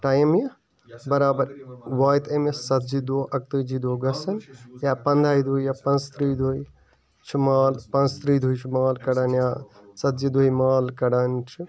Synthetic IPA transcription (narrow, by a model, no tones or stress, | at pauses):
ʈaːjmjɐ | bɐɾaːbɐɾʋaːjt̪ʰemjɐsɐt̪̚d͡ʒid̪oːʔɐk̚t̪ɨːd͡ʒid̪oːɡɐsɐnjaːpɐnd̪ʱaːjid̪ʱuːjjaːpɐnst̪ɾiːd̪ʱoːj | t͡ʃʰimaːlpɐ̃nst̪ɾiːd̪ʱuːjt͡ʃʰimaːlkɐɽaːnjaː | sɐt̪̚d͡ʒid̪oːjmaːlkɐɽaːnt͡ʃʰi